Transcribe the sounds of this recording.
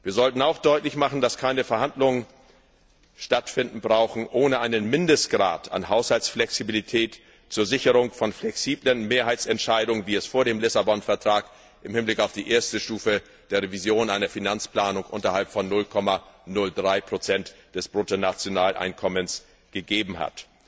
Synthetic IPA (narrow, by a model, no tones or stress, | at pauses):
viːɐzɔltn̩aʊxd̥ɔʏtlɪçmaχn̩d̥askʰaɪnəfɛɐhandlʊŋən | ʃtatfɪndn̩bʁaʊxn̩ʔoːnəʔaɪnənmɪndəst̚ɡ̥ʁa̰ːtʰa̰nɦaʊshalsflɛksibilitʰɛːt | t͡suːɐzɪçəʁ̞ʊŋfɔnflɛksiːblənmeːɐɦaɪt͡sɛntʃaɪdʊŋənviːɛsfoːɐɾeːmlɪsabɔnfɛɐtʁ̥aːk | ʔɪmhɪnblɪkaʊfd̥iːʔeːɐstəʃtuːfə | d̥eːɐʁevizjoːnʔaɪnɐfinant͡spl̥aːnʊŋʔʊ̰ntɐhalpfɔnːʊlkʰɔmanʊldʁaɪpʁ̥ot͡sɛntd̥ɛsb̥ʁotonat͡sjonaːlʔa̰ɪnkʰɔməns | ɡ̥əɡeːbm̩ha̰t